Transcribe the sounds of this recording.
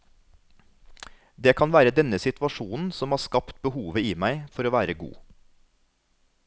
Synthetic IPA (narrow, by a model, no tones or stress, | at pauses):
d̪eːkʰɑnʋæːɾəd̪ɛnəsɪt̪ʋɑʃuːnn̩sɔmhɑːskɑpt̪̚bəhuːʋəiːmæɪfɔɾoːʋæːɾəɡṵː